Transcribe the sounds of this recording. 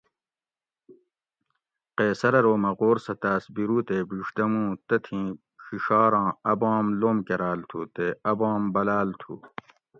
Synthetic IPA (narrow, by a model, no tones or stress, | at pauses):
qeːsɐɾɐɾoːmɐʁoːɾsɐt̪aːsbiɾuːt̪eːbiːʂd̪ɐmũːt̪ɐt̪ʰĩː | ɕiʂaːɾɑ̃ːɐbɑ̃ːmloːmkeɾaːlt̪ʰuːt̪eɐbɑ̃ːmbɐlaːlt̪ʰṵː